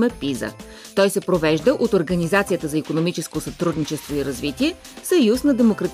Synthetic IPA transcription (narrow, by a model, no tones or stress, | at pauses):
mɛpizə̰ | t̪ɔjsɛpɾovɛʒd̪əʔot̪oɾɡɐnizat̪sijət̪əzɐikonomit͡ʃɛskosɐt̪ɾud̪nit͡ʃɛst̪voiɾɐzvit̪iɛ | sɐjusnɐd̪ɛmokɾɐt̪